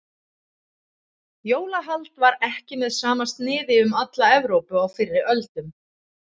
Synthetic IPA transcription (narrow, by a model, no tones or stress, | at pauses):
joːwlaɦalt̪vaɾɛhcɪmɛðsaːmast̪nɪːðɪʏmat̪laɛvɾowpʏaɣfɪɾːɪɾʔœlt̪ʏm